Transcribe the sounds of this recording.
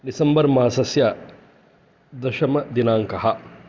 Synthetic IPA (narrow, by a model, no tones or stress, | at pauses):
disɐmbɐɾmɐɦɐsɐsjaː | d̪ɐʃɐmɐd̪inaːŋkɐɦɐ